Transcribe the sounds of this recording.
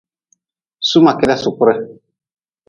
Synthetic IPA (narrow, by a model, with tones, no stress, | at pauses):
su˦mã˨kɛ˦ɾɛ˦sʊ˨kʊ˦ɾɛ˦